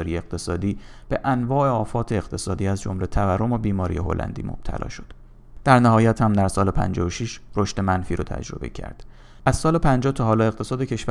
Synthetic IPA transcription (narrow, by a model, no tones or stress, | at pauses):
ɾijeeq̚t̪ʰe̞sɒːd̪iːb̥e̞ʔænvɒːʔe̞ɒːfɒːt̪ʰe̞ːqt̪ʰe̞sɒːd̪iːæzd͡ʒo̰mle̞t̪ʰæværːo̞mobiːmɒːɾḭjeɦo̞̰lʔæ̰nd̪ḭːmo̰b̥̚t̪ʰæ̰lɒ̰ːʃo̞̥d̪̥ | d̪̥æɾnæɦɒːjæt̪hæmd̪æɾsɒːlepʰæ̰nd͡ʒɒoʃiʃɾo̞ʃt̪e̞mænfiːɾʔot̪ʰæ̰d͡ʒɾo̞̰bḛcʰæ̰ɾd̪̥ | ʔæz̥sɒːlepʰænd͡ʒɒːt̪ʰɒɦɒːlɒːe̞ɣt̪ʰe̞sɒːd̪ecʰe̞ʃvæ